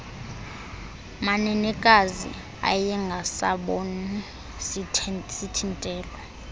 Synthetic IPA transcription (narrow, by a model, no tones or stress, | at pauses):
manɛnɛkʼazḭ | a̰jɛŋɡʱasa̰ɓɔnu | sitʰintʼɛːlɔ